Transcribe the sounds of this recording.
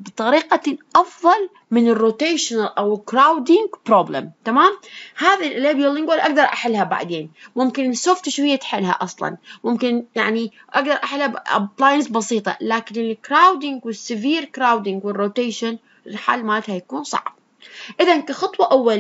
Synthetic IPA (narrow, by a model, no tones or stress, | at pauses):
bɨt̪ˤɑɾiːqaʔɑfðˤɑl | mɪnɪrːoːt̪eːʃɪnalʔawɪlkɾawd̪ɪŋɡpɾoːblɪ̰mt̪amaːmhaːðalʔleːbijalːɪŋɡwalʔaɡd̪ɑɾˤʔaħɪlːhaba̰ʕd̪eːnmʊmkɪnɪsːoːft̪ɪʃwɪjːat̪ħɪlha̰ʔɑsˤlɑ̰nmʊmkɪnjaʕni | ʔaɡd̪ɑɾˤʔaħɪlhaba̰blaːjɪnsbɑsiːt̪ˤɑ̰laːkɪnʔɪnɪkɾaːwd̪ɪŋɡwɪsːɪviːɾkɾaːwd̪ɪŋɡwɪrːoːt̪eːʃan | lħa̰ːlmaːlt̪hajakuːnsˤɑ̰ʕb̥̚ | ʔɪðankaxɑt̪ˤwɑʔawːal